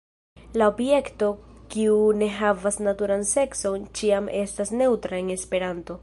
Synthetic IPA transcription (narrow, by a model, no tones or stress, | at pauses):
laobje̞kto̞kiune̞ɦavasnatuɾanse̞kso̞nt͡ʃiame̞stasne̞wtɾaeŋe̞spe̞ɾanto̞